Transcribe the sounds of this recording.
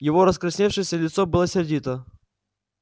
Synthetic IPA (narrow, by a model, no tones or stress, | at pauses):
jɪvoɾəskɾɪsʲnʲefʂɨsʲəlʲɪt̪sobɨlˠəsʲɪrdʲit̪ə